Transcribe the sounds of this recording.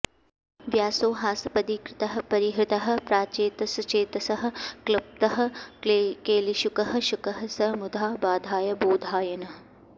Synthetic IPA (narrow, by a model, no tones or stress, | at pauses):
ʋjaːsoːɦaːsɐpɐd̪ikɾɪt̪ɐɦɐ̆pɐɾiɦɾɪt̪ɐɦɐ̆pɾaːt͡ʃeːt̪ɐsɐt͡ʃeːt̪ɐsɐɦɐ̆klɐp̚t̪ɐɦɐ̆kekeːliʃukɐɦɐ̆ʃʊkɐɦɐ̆sɐmud̪ʱaːbaːd̪ʱaːjɐboːd̪ʱaːjɐnɐɦ